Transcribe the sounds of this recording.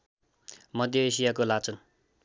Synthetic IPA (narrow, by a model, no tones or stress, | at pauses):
mʌd̪ʱjʌesijakolat͡sʌn